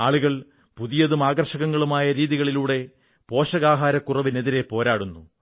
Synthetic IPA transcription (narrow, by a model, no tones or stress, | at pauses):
aːɭuɣɐɭ | puðijɐðumaːɡɐrʂɐɣɐŋːɐɭumaːjɐɾiːðiɣɐɭiluːɽe̞ | po̞ːʂɐɣaːɦaːɾɐkːurɐʋine̞ðiɾe̞po̞ːɾaːɽunːu